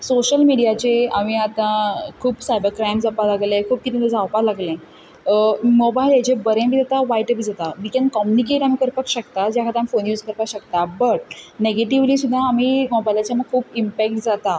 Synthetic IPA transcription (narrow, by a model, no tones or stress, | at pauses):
soɕəlmiɽijat͡ɕeaʋiat̪ãkʰuːbsajbəɾkɾajmd͡zapalaɡlẽkʰuːp̚kit̪et̪ed͡zawpalaɡlẽ | mɔbajlet͡ɕebəɾẽbʱiːd͡zat̪aʋaiʈəpd͡zat̪aʋikenkɔmjunikeʈam̤iːkəɾpakɕəkt̪ad͡ʑjakʰat̪eamifonjuːd͡zkəɾpaɕəkt̪abəʈ̚neɡeʈiʋliːsud̪ʱːaːmiːmɔbajlat͡ɕjaməɡ̚kʰuːpimpek̚ʈ̚d͡zat̪a